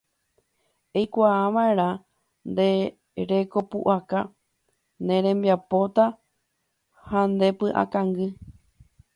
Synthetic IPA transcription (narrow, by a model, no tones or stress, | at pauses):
ejkʷaːʋaeɾ̃ã | nd̪e̞ | ɾe̞ko̞pṵʔaka | nẽ̞ɾ̃ẽ̞mbjapo̞t̪a | hand̪e̞pɨʔa̰kãŋɡɨ